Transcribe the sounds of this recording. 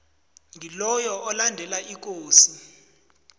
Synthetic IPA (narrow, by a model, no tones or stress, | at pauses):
ŋilɔjɔʔːlandʱɛlaʔik̬ʼoːsi